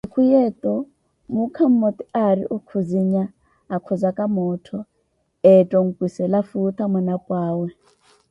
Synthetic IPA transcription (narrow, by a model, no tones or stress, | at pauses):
ikʰujɛt̪ʼɔ | mukʰam̩mɔt̪ʼiʔaɾiʔukʰuziɲaː | kʰɔzakʼamɔːtʰɔ | ɛtʼɔŋ̩kʼwisɛlafut̪ʰamɔnapʼwaːwɛ